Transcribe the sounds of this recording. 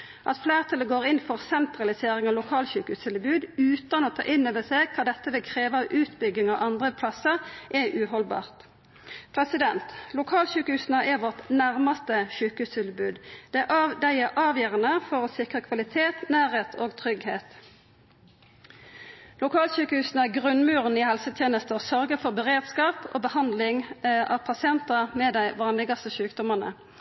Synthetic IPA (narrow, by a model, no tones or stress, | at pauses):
ʔɑ̰t̪fleːʁt̪ʰɑləɡoːʁɪnfɔʁsɛnt̪ʁɑlɪseːʁɪŋɑʋlʊkʰɑːlɕʉːkəhʉːst̪ʰɪlbʉːd̪ʉːt̪ɑnoːt̪ʰɑ̰ːʔɪnːøːʋəseːɡkʰɑːd̪ɛt̪ːəʋɪkʰʁeːʋəɑʋʔʉːt̪bʏɡɪŋɑʋʔɑnd̪ʁəpʰlɑsəʁʔɛʔʉːhɔlbɑ̰ːʁt̪ | pʰʁɛsɪd̪ɛnt̪lʊkʰɑːlɕʉːkəhʉːsnəʔɛʋɔʁt̪næʁmɑst̪əɕʉːkəhʉːst̪ʰɪlbʉːd̪d̪̥ɛʔd̪æɪɛʔɑːʋjœːʁənəfɔʁoːsɪkʁəkʰʋɑlɪt̪ʰeːt̪næːʁheːt̪ʰo̰ːɡt̪ʰʁʏɡheːt̪ | lʊkʰɑːlʃyːkəhʉːsnəæɡʁʉnmʉːʁənɪhɛlsət̪ʰjeːnəst̪əsœʁɡəfɔʁbəʁeːd̪skɑːpo̰ːbəhɑnd̪lɪŋʔɑ̰ːʋpʰɑsɪɛnt̪əmɛd̪æɪʋɑːnlɪɡɑst̪əʃʉːkd̪ɔməʁnə̰